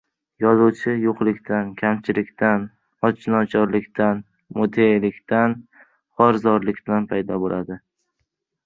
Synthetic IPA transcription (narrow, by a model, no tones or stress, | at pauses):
jɒzʊwt͡ʃʰɪjoqlɪkʲt̪ʰankʲʰamt͡ʃʰɪlɪkʲt̪ʰan | ɒt͡ʃnɒt͡ʃʰɒɾlɪkʲt̪ʰan | mot̪ʰelɪkʲt̪ʰan | hɒɾzɒɾlɪkʲb̪lanpʰajd̪ɒbolʔad̪ɪ